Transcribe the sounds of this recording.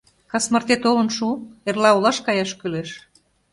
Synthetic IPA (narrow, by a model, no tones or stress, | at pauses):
kɑsmə̆rt̪et̪olə̆nʃuerlɑolɑʃkɑjɑʃkyleʃ